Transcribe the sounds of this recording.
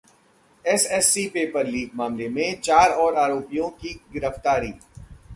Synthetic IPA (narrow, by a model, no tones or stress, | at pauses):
ɛsɛsːipeːpəɾliːɡmaːmlemẽt͡ʃaːɾɔːɾaːɾoːpijõkiɡɪɾəft̪aːɾiː